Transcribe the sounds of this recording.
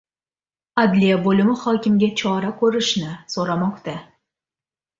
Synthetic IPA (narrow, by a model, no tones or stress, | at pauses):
ad̪lijabolɪmɪχɒkʲɪmɡʲat͡ʃʰɒɾakʲʰɵɾɪʃnɪsoɾamɒqt̪a